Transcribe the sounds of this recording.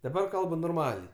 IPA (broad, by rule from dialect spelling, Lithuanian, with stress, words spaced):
dɐˈbɐr ˈkɐlˠbʊ noːrˈmɑːlʲɛɪ